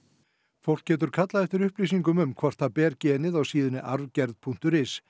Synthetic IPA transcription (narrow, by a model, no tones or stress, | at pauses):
fowl̥kcːɛːt̪ʏɾ̥kʰat̪laðɛft̪ɪɾʏhpliːsiŋkʏmʏmkʰvɔr̥t̪ʰapɛːɾcɛːnɪðawsiːðʏnɪʔaɾvcɛɾðpʰuŋ̥t̪ʏɾɪs